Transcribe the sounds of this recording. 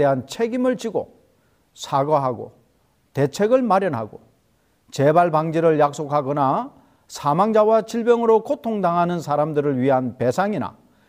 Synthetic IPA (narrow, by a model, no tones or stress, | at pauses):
e̞ɦant͡ɕʰe̞ɡimɯɭt͡ɕiɡo̰ | sʰaɡʌɦaɡo̰ | te̞t͡ɕʰe̞ɡɯɭmaɾjʌnɦaɡo̰ | t͡ɕe̞baɭbaŋd͡ʑiɾɯɭjak̚s͈okʰaɡʌna | sʰamaŋd͡ʑawat͡ɕiɭbjʌŋɯɾokʰotʰoŋdaŋɦanɯnsʰaɾamdɯɾɯɭɥiɦanpe̞sʰaŋina̰